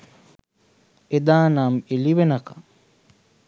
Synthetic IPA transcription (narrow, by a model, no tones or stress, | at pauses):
ed̪aːnaːmeliʋenɐkɐ̥